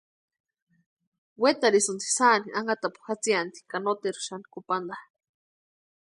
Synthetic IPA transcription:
wet̪aɾisunt͡s̪i̥saniʔaŋɡat̪apu̥hxat͡siant̪i̥kanot̪eɾu̥ʃani̥kupand̪a

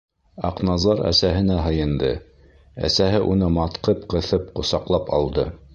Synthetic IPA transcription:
ɑ̰qnɑzɑɾæ̰sæɦɘ̆næɦɤ̆jɤ̆nd̪ɤ | æ̰sæɦɘʔunɤmɑt̪qɤpqɤ̆θɤpqŏsɑqlˠɑpɑ̰lˠd̪ɤ

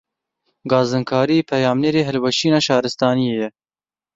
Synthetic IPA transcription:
ɡɑːzɨnkʰɑːɾiepʰɛjɑːmneːɾeːɦɛlwɛʃiːnɑːʃɑːɾɨst̪ɑːnijeːjɛ

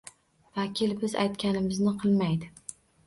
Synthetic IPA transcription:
vakʲʰɪlbɪza̰jt̪kʲʰanɪmɪznɪqʰɨlˠmajd̪ɪ

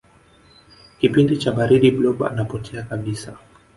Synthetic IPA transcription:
kipindit͡ʃaɓaɾiɗiblɔɓa̰napɔtʰɛakaɓisa

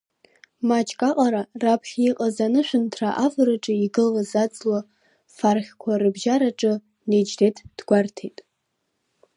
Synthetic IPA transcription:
mat͡ʃʼkʼaqʼaɾarapʰχʲiqʼazanɨʃʷᶣʊntʰra̰ʔavɨɾɨʈ͡ʂʼɨiɡɨlwazad͡zlwa | farχʲkʷʰarɨbʒaɾaʈ͡ʂʼɨ | ned͡ʒdetʰd̥ɡʷartʰḛjtʼ

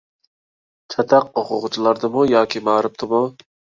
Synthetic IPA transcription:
t͡ʃʰɑt̪ʰɑqoqʰʊʁʊt͡ʃʰilˠɑɾd̪ɨmujɑːkʲʰimɑːɾɨp̚t̪ɨmu

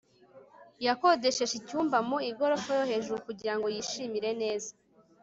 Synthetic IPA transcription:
jako̞de̞ʃe̞ʒicuːmbamuiɡo̞ɾo̞fojo̞he̞ːʒuɾukuɟiɾaŋɡo̞jiːʃimiɾe̞ne̞ːza

